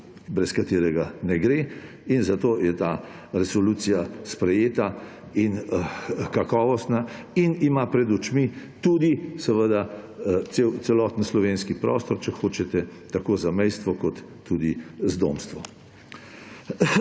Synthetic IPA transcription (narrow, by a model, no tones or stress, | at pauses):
bɾɛskat̪eːɾɛɡanɛɡɾe | inzat̪ojɛt̪aː | ɾɛsɔluːt̪sijaspɾɛjeːt̪a | in | kakɔːʋɔst̪na | inimapɾɛd̪ut͡ʃmit̪uːd̪isəʋəd̪at̪sewt͡ssɛlɔːt̪n̩slɔʋenskipɾɔːst̪ɔɾt͡ʃɛxoːt͡ʃɛt̪ɛt̪akoːzamɛjst̪ʋɔkɔt̪ːud̪izd̪o̰mst̪ʋɔ